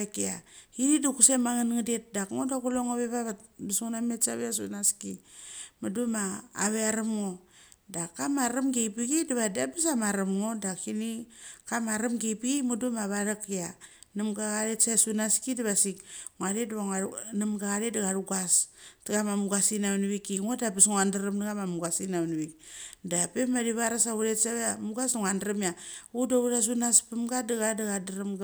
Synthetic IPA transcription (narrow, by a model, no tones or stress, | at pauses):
ekia̰kinidukusemaŋanŋadet̚dakŋodakuloŋoβeβaβatbisuŋnamesaβeasunaskimaduma̰ːβeaɾamŋodakamaɾamɡejpiɡidaβadabis̬amaɾamŋodakinikamaɾamɡejpiɡimudumaβaɾakia | namɡaɣaɾesasunaskidaβasikŋaɾedβaanamɡaɣaɾetdaɡaɾuɡastaɡamamuɡasinaniβikiŋodapisŋandaɾamdaɡamamuɡasinaniβikdapemaɾiβaɾasaβuɾetsaβamuɡasuŋandɾamiaudaβuɾas̬unaspemɡadaɡadaɡadaɾam